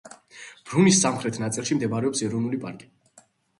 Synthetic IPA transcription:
b̥ɾunisːamχɾɛt̪ʰnat̪sʼilˠʃimd̪ɛbaɾɛɔpsɛɾɔvnulipʼa̰ɾkʼi̥

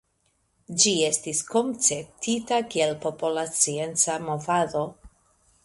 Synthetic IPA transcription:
d͡ʒie̞stisko̞mt͡sep̚tʰitakielpo̞polat͡sie̞nt͡samo̞vado̞

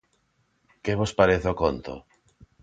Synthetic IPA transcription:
keβospaɾeθokont̪o̰

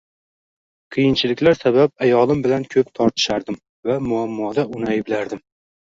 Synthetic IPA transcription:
qʰɨjɪnt͡ʃʰɪlɪkʲlaɾsaβap̚ajɒlˠɪmbɪlankʲʰɵpt̪ʰɒɾt̪ʰɪ̥ʃaɾd̪ɪm | vamʊamːɒd̪aʔʊnajbɪlaɾd̪ɪm

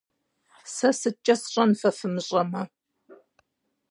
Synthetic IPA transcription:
sɐsɨt͡ʃʼɐsɕʼɐnfɐfɨmɨɕʼɐmɐ

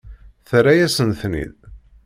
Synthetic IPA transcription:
θɾæjæsənθnḭð

